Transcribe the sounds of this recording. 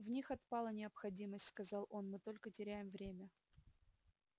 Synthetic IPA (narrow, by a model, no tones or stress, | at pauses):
vnʲixɐt̪̚pɑlˠənʲɪəpxɐdʲiməsʲtʲskɐzɑlˠʔo̞nmɨt̪o̞lʲkətʲɪɾʲæjɪmvɾʲemʲə